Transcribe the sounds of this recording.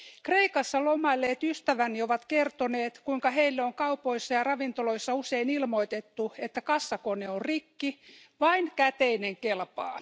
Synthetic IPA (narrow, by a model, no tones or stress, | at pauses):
kreikɑsːɑlomɑilːeːt̪yst̪æʋænːioʋɑt̪kert̪oneːt̪kuiŋkɑheilːeoŋkɑupoisːɑjɑrɑʋint̪oloisːɑuseinilmoit̪et̪ːuet̪ːækɑsːɑkoneorrikːi | ʋɑinkæt̪eineŋkelpɑ̰ː